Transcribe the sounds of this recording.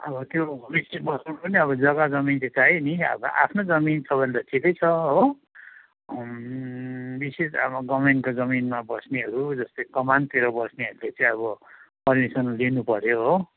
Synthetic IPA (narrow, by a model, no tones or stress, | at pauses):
ʌbʌt̪jobisesbʌsʌnpʌniʌβʌd͡zʌɡad͡zʌmintet͡sajniʌ̰bʌ̰ʔa̰pʰnod͡zʌmint͡sʰʌbʱʌneɾaʈʰikʌjt͡sʰʌɦo | bisesa̰bɡʌmeŋkod͡zʌminmabʌsneɦʌɾud͡zʌst̪okʌmant̪eɾʌbʌsneɦʌɾulet͡sʌĩʌβʌpʌrmisʌnlinupʌɾjoɦo